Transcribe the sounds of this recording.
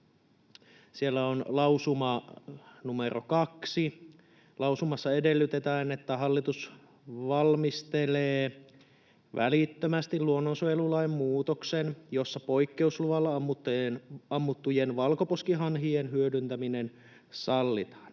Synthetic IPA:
sielːæonlɑwsumɑ | numeɾʔo̰kɑksi | lɑwsumɑsːɑe̞delːyt̪et̪æːnet̪ːæɦɑlːit̪us | ʋɑlmist̪eleː | ʋæ̰lit̪ːømæst̪iluonːonsoelulɑjmmuːt̪oksenjo̞sːɑpo̞jkːe̞usluʋɑlːɑmːut̪ːenɑmːut̪ːujenʋɑlkoposkiɦɑnɦienɦyødynt̪æminen | sɑlːḭt̪ɑ̥ːn

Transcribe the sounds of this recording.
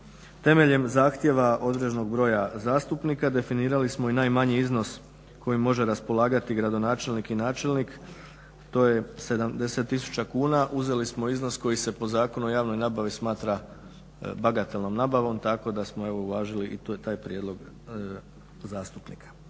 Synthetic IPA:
t̪e̞me̞ʎe̞mzaːxt̪je̞ʋaʔo̞d̪ɾe̞d͡ʒno̞ɡ̚bɾo̞ːjazaːst̪upniːkad̪e̞finiːɾalismo̞inajmaɲiizno̞s | kʰo̞jimo̞ʒe̞ɾaspo̞lˠaːɡat̪iɡɾad̪o̞naːt͡ʃelnikinaːt͡ʃe̞lnik | t̪o̞je̞se̞d̪amd̪e̞se̞t̪ːisu̥t͡ɕakuːnaʔuze̞lismo̞izno̞sko̞jise̞po̞zaːko̞nuojaːʋno̞jnaːbaʋismaːt̪ɾa | baɡat̪elˠno̞mnaːbaʋo̞mt̪ako̞d̪asmoe̞ʋo̞ulaːʒiliʔit̪aːjpɾjed̪lˠo̞ɡ | zaːst̪upnḭkʰḁ

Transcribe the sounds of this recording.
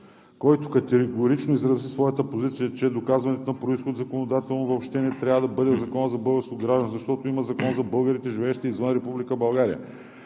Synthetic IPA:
kɔjt̪okɐt̪ɛɡoɾit͡ʃnoizɾɐzisvɔjət̪əpozit̪sijət͡ʃɛd̪okazvɐnɛt̪onɐpɾoisxod̪zɐkonod̪at̪ɛlˠnovoːpʃt̪ɛnɛt̪ɾʲavəd̪ɐbɤd̪ɛzɐkɔnəzɐbɤlˠɡəɾskot̪ɡɾaʒd̪ɐnzɐʃt̪ɔt̪oimɐzɐkɔnzɐbɤlˠɡəɾit̪ɛʒivɛːʃt̪ɛizvənɾɛpublikəbɐlˠɡaɾijə̰

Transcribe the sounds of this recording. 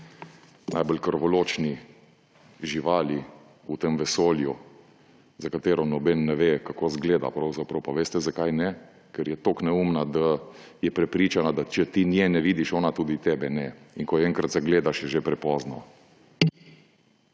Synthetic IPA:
nʔa̰jbolkəɾʋɔloːt͡ʃni | ʒiʋaːli | ut̪emʋɛsoːlju | zakat̪eːɾɔnɔbɛnːɛʋekakoːzɡleːd̪a̰pɾawzapɾɐwpaʋeːst̪ɛzakajnɛ | kɛɾjɛt̪oknɛuːmnad̪ajɛpɾɛpɾiːt͡ʃanad̪at͡ʃɛt̪injɛnɛʋid̪iʃɔːnat̪uːd̪it̪ɛbɛnɛ | iŋkɔɛŋkɾat̪zaɡleːd̪aʃjɛʒepɾɛpɔːznɔ

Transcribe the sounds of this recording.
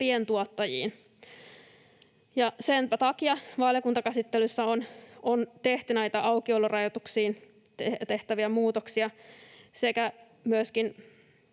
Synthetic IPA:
pient̪uot̪ːɑjḭːn | jɑsenpæt̪ɑkiɑʋɑljokunt̪ɑkæsit̪ːelysːæonont̪eht̪ynæit̪æʔɑukiolːurɑjot̪uksiːn | t̪eht̪æʋiæmuːt̪oksiɑsekæ | myøskin

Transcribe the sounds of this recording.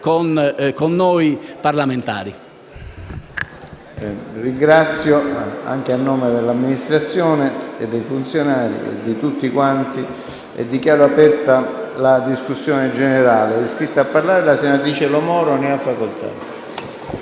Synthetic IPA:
konkonːoːjparlament̪a̰ːɾi | riŋɡɾat̪sːjoa̰ŋk̟eanːoːmed̪elːamːinist̪ɾat̪sːjɔːneḛd̪ːejfunt̪sjonaːɾḭḛd̪ːit̪ut̪ːikwant̪i | ɛ̰d̪ːikjaːɾoapɛrt̪alad̪iskusːjɔːned͡ʒeneɾaːleɛskɾit̪ːaːpːarlaːɾelasenat̪ɾiːt͡ʃelomɔːɾoneafːakolt̪ʰa̰

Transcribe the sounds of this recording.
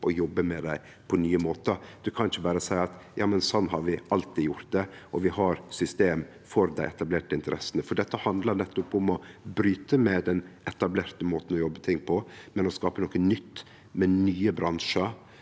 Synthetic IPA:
ʔɔjɔbːəmɛd̪æɪ | pʰɔnyːəmoːt̪əd̪̥ʉkʰɑnɪçəbæːɾəsæɪɑt̪jɑːmənsɔnːɦɑɾʋɪʔɑlt̪ʰiːjʊɾt̪̚d̪ɛɔʋɪhɑɾsʏst̪eːm | fɔɾd̪æɪɛt̪ɑbleːʈəɪnt̪əɾʔɛsənəfɔɖɛt̪ːəhɑnd̪ləɾnɛt̪ːʊpʊmɔbɾyːt̪əmɛd̪ɛnʔɛt̪ɑbleːɾt̪əmoːt̪n̩ɔjɔbːət̪ʰɪŋːpʰɔmɛnɔskɑːpənoːkənʏt̪ː | mɛnyːəbɾɑnʂəɾ

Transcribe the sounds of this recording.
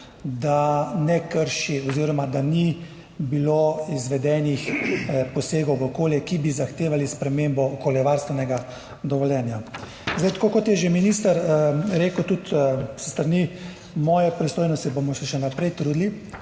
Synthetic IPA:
d̪anɛkəɾʃiɔziːɾɔmad̪ani | biloizʋɛd̪ɛnixpɔseːɡɔwʋəɔkoːljɛkibizaxt̪eːʋalispɾɛmembɔɔkoːljɛʋaɾst̪ʋɛnɛɡa | d̪ɔʋɔljɛnja | zajt̪ḁkoːkɔt̪jɛʒeminist̪ɐɾɾeːkəwt̪ut̪sə̥st̪ɾani | mɔːjɛpɾist̪oːjnɔst̪ibomɔsɛʃɛnapɾɛjt̪ɾuːd̪li

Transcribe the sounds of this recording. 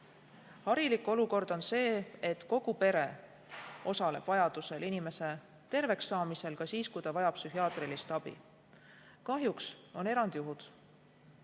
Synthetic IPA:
hɑɾilikˑo̞luko̞rd̪̥o̞nse̞ːet̪ko̞ɡ̥upe̞ɾe̞ | o̞sɑle̞b̥vɑjɑd̪̥use̞linime̞se̞ | t̪e̞rve̞ksːɑːmise̞lkɑsiːskujt̪ɑvɑjɑpsyɦiɑːt̪ˑrilist̪ɑb̥ḭ | kɑɦjukso̞ne̞ɾɑnd̪juɦud̪̥

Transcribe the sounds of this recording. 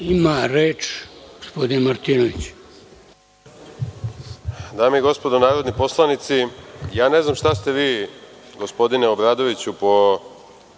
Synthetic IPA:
imaɾeːt͡ʃɡ̥ospo̞d̪inmaɾt̪inoʋit͡ɕ | d̪aːmeiɡo̞spo̞d̪onaːɾod̪nipo̞slˠanit̪sijaːne̞znamʃt̪ast̪e̞ʋiː | ɡospo̞d̪ineobɾaːd̪o̞ʋit͡ɕupo̞

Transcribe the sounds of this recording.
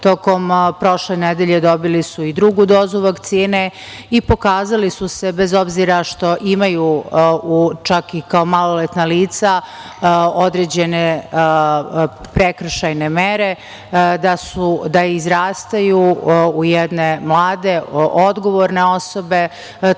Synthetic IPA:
t̪o̞ko̞mpɾo̞ʃlened̪eʎe̞d̪o̞bilisuid̪ɾuɡud̪o̞ːzuʋakt̪siːne | ipo̞kaːzalisuse̞bezo̞bziɾaʃt̪o̞ʔimajuut͡ʃakikao̞malolet̪naliːt̪sa | od̪ɾeːd͡ʑe̞ne | pɾekr̩ʃajnemeɾe̞ | d̪asud̪aizɾaːst̪ajuːjɛd̪ne̞mlˠaːd̪e̞od̪ɡo̞ʋoɾne̞o̞so̞be̞

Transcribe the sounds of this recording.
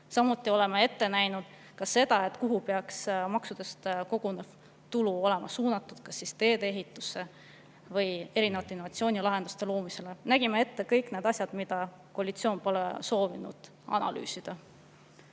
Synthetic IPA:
sɑmut̪ːˑio̞le̞mee̞t̪ːe̞næjnud̪̥ | kɑsːe̞d̪̥ɑe̞t̪ːˑkuɦupeɑksmɑksud̪̥e̞st̪ko̞ɡ̥unev | t̪uluo̞le̞mʔɑsuːnɑt̪ːˑud̪̥kɑsːist̪e̞ːd̪ee̞ɦit̪ːˑusːe̞ | vɤje̞ɾinevɑt̪ːˑeinovɑt̪sio̞ːnilɑɦe̞nd̪̥ust̪e̞lo̞ːmise̞le̞næɡ̥imee̞t̪ːe̞kɤjkne̞d̪ɑsʲjɑd̪̥mid̪̥ɑ | ko̞ɑlʲit̪sio̞ːnpo̞lḛso̞ːvinṵd̪̥ | ɑ̰nɑ̰ly̰ːsid̪̥ɑ

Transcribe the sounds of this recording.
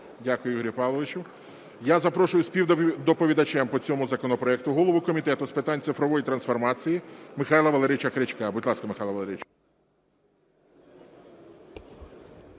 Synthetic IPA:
dʲakʊjʊjiɦɔɾʲipɑlˠɔʋɪt͡ʃʊw | jazɐpɾɔʃʊjʊsʲpʲiwd̪ɔpɔʋʲid̪ɐt͡ʃɛmpɔt͡sʲɔmʊzɐkɔnɔpɾɔɛk̚t̪ʊɦɔlˠɔʋʊkɔmʲit̪ɛt̪ʊspɪt̪ɑnʲt̪sɪfɾɔʋɔjit̪ɾɐnsfɔrmɑt͡sʲijimɪxɑjlˠɐʋɐlˠeɾɪt͡ʃɐkɾɪt͡ʃkɑbʊdʲlˠɑskɐmɪxɑjlˠɐʋlˠeɾɪt͡ʃ

